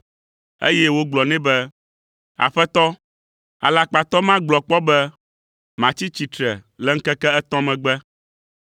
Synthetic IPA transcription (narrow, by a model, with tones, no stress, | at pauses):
ḛ˦jɛ˦wo˦ɡ͡blɔ˨nɛ̃˦bɛ˦ | a̰˨ɸɛ˦t̪ɔ˦ | a̰˨la˨k͡pa˨t̪ɔ˦mã˦ɡ͡blɔ˨k͡pɔ˦bɛ˦ | mã˨t͡ɕi˦t͡ɕi˨t̪ɾɛ˨lɛ˦ŋ̩˦kɛ˦kɛ˦ɛ˦t̪ɔ̃˦mɛ̃˨ɡ͡bɛ˦